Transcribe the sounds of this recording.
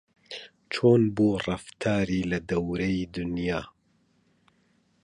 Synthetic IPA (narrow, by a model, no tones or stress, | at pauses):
t͡ʃʰoːnbuːrɑft̪ʰaːɾiːlɐd̪ɐwɾɐid̪ʊnjaː